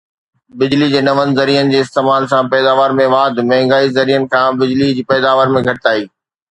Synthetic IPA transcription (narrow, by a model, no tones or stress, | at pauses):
bɪd͡ʑlid͡ʑeːnɐʋənɪ̆zɐɾiːənɪ̆d͡ʑeːɪst̪eːmaːlsãpɛːd̪aːʋaːɾmẽʋaːd̪ʱmɛɦŋɡaːizɐɾijənɪ̆kʰãbɪd͡ʑlid͡ʑiːpɛːd̪aːʋəɾmẽɡʱɐʈt̪aːiː